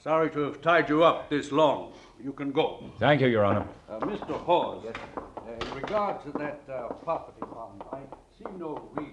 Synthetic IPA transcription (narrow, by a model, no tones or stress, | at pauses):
sɑɹiɾɨːv̥tʰaɪd͡ʒɨʌp̚ðɪslɔ̃ŋ | jɨkɨ̃nɡoʊθæ̃ŋkjʉjə˞ɑnə˞mɪstə˞hɔ | ɪ̃nɹɨɡɑɹd̚tʰɨðɨt̚pʰɹ̥ɑpəɾifɑ̃naɪsinoʊwi